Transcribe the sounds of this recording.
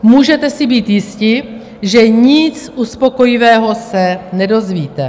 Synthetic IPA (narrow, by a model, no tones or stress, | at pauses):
muːʒɛt̪ɛsɪbiːt̪jɪscɪ | ʒɛɲɪt͡sʔuspo̞ko̞jɪvɛːɦo̞sɛnɛdo̞zviːt̪ɛ